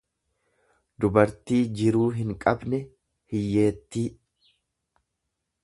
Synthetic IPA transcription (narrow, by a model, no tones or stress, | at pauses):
d̪ʊbɐɾt̪iːd͡ʒɪɾuːɦɪŋkʼɐbnɛ | hɪjːe̞ːt̪ːiː